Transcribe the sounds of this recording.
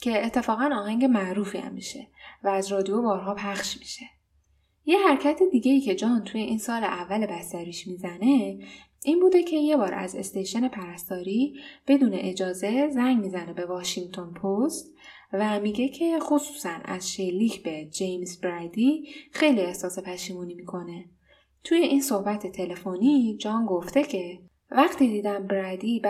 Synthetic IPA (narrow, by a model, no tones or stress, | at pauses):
cʰe̞et̪ʰːe̞fɒːɣænɒːɦæŋɟemæʔɾuːfiæ̰mːiʃe̞væːzɾɒːd̪ijobɒːɾɦɒːpʰæχʃmi̥ʃe̞ | jehæɾcʰæt̪ʰed̪iːɡʲe̞iːcʰe̞d͡ʒɒːnt̪ʰuje̞ʔiːnsɒːleʔævːælebæst̪æɾiːʃmiːzæne̞ | ʔiːnbuːd̪e̞cʰe̞je̞bɒːɾæ̰ze̞̰st̪ejʃene̞pʰæɾæst̪ɒːɾib̥e̞d̪uːne̞̰ʔed͡ʒɒːze̞zæŋɟmiːzænebe̞vɒːʃiŋt̪ʰo̞npʰost̪ | væmiɟʲe̞cʰe̞χosuːsænæ̰z̥ʃelːiːcʰb̥e̞d͡ʒe̞jmsbɾæd̪ixe̞jlie̞hsɒːse̞pʰæʃiːmuːnimiːkʰo̞ne̞ | t̪ʰuje̞ʔinso̞hbæt̪ʰet̪ʰe̞le̞fonid͡ʒɒːnɡo̞ft̪e̞cʰe̞ | væχt̪ʰiːd̪iːd̪æmbɾæd̪ib